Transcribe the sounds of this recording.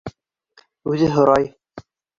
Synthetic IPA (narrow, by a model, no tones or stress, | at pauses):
ʉðɘɦŏɾɑj